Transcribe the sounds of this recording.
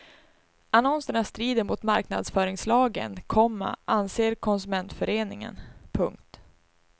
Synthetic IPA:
anɔnsəɳast̪ɾiːd̪əɾmʊt̪maɾkna̰d̪sfœːɾɪŋslɑːɡə̰nkʰɔmːa̰ʔanseːɾkʰɔnsɵmɛnt̪fœɾeːnɪŋə̰npʰɵ̰ŋk̚t̪

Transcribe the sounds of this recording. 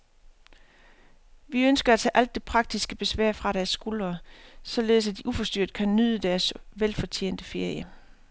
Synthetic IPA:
ʋiønsɡ̥ɐæt͡sʰɛ̰ːʔæl̰d̥ːe̝pʰʁɑ̈ɡ̥̚d̥isɡ̥əb̥e̝sʋæɐ̰fʁɑ̈ɾæɐsːɡ̥ulɐːsɒ̽le̝ðˠsæd̥iʔufɒ̽sd̥yɐ̰d̥̚kʰænːyð̰ˠəd̥æɐsʋelfɒ̽t͡sʰe̝̰ːn̰d̥əfe̝ɐjə

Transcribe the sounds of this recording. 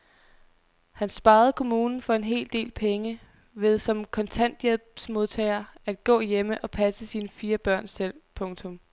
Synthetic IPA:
hænsb̥ɑ̈ːð̞̩ˠkʰo̝muːnn̩fɒ̽e̝nɦe̝̰ːld̥e̝̰ːlpʰeŋə | ʋe̝ð̞ˠsɒ̽mkʰɒ̽nt͡sʰæn̰d̥jelb̥smo̝ð̞ˠt͡sʰɛɪɐæd̥̚ɡ̥ɔ̰̽ːjeməʔɒ̽pʰæsəsiːnəfiːɐb̥ɶɐ̰nsel̰pʰɔ̽ŋt͡sʰɔ̽m

